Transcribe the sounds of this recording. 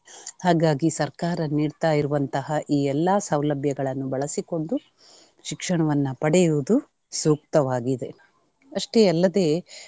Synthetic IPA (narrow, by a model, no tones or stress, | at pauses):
haːɡaːɡisɐɾkaːɾɐniːɽt̪aːjiɾuʋɐnt̪ɐɦɐʔiːɛlːɐsɐwlɐbʱjɐɡɐɭɐnːubɐɭɐsiko̞ɳɖu | ʃikʂɐɳɐʋɐnːɐpɐɽɛjuʋud̪u | suːk̚t̪ɐʋaːɡid̪e̞ | ɐʂʈe̞ɐlːɐd̪e̞ː